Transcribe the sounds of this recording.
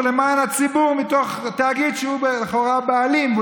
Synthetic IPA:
lemaːnhat͡sibuʁmitoχt̪aːɡidʃeubeχoʁabaalimv

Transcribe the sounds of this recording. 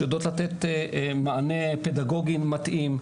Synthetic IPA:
jod̪ot̪lat̪et̪maaneped̪aɡo̞ɡimːat̪ʔim

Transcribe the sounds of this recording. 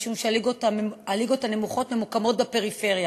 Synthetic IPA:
ʃumʃealiɡotaaliɡo̞tane̞muχo̞tmemokamo̞t̚bape̞ʁife̞ʁja

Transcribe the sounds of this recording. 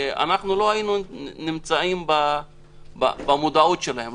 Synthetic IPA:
ea̰naχnulo̞ɦajinunimt͡saimba | ba̰bamud̪aut̪ʃelahem

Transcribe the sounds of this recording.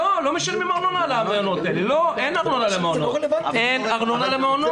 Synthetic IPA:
olomiʃalmimaʁnonalameonot̪eliloʔenaʁnonalemeonoenaʁnonalemeono

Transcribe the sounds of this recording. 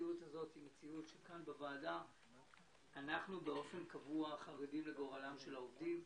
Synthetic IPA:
iutazo̞thimet͡siutʃekanbevaːda | naχnubeo̞fe̞nkavuaχaʁedimle̞ɡo̞ʁalamʃe̞laovdim

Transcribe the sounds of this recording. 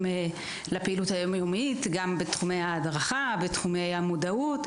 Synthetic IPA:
e | lapeiluthajo̞majo̞mitɡambetχumejhaːdʁaχabetχume̞jhamodaut

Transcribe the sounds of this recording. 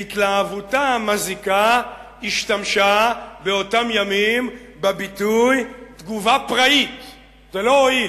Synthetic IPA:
it̪laavutamazika | iʃtamʃabeo̞tamjamim | bebitujt̪ɡuvapʁait | telooi

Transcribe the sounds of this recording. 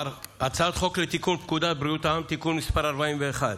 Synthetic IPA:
at͡sad̪χo̞klet̪ikunpkud̪abɾiut̪aamt̪ikunːispaɾaɾbaimveːχad̪

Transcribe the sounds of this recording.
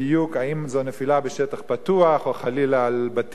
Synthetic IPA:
ijukaimzonefilabeʃet̪aχpat̪uaχoaχalilaːlbat̪

